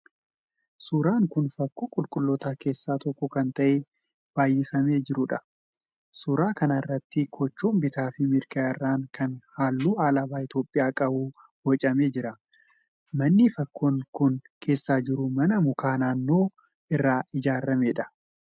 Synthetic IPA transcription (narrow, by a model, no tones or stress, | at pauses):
suːɾaːŋkʊnfɐkːuːkʼʊlkʼʊlːɔt̪aːkʰe̞ːsːaːt̪ɔkːɔkɐnt̪ɐʔɛ | b̥aːjːɪfɐme̞ːd͡ʒɪɾʊᶑɐ | suːɾaːkɐnɐɪrːɐt̪ːɪkʰɔt͡ʃːuːmbɪt̪aːfɪmɪɾkɐɪrːaːŋkʰɐnhaːlːuːaːlabaːɪt̪jo̞ːpʼːɪjaːkʼɐbuː | wɐt͡ʃʼɐme̞ːd͡ʒɪɾɐ | mɐnːɪfɐkːoːŋkʊn | kʰe̞ːsːaːd͡ʒɪɾʊmɐnɐmʊkʰaːnaːnːo̞ː | ɪrːaːɪd͡ʒaːɾːɐmeːᶑɐ̥